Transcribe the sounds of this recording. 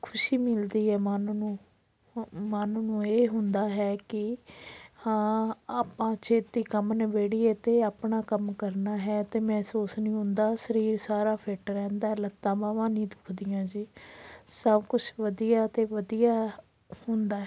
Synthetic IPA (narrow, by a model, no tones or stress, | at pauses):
kʰʊʃiːmɪld̪iːɦɛːmaːnnũː | maːnnũːeːɦʊnd̪aːɦɛːkɪ | hãːaːpãːt͡ʃʰeːt̪ːiːkəmnːʋeːɽiːet̪eːaːpɳaːkəmkəɾnaːɦɛːt̪eːmɛ̃ːsuːsnĩːɦʊ̃nd̪aːsəɾiːɾsaːɾaːpʰeːʈɾɛ̃ːnd̪aːɦɛlət̪ːãːbãːʋãːnĩːd̪ʊkʰd̪ijãːd͡ʒiːsəbkʊt͡ʃʰʋəd̪ijaːt̪eːʋəd̪ijaː | hʊnd̪aːɦ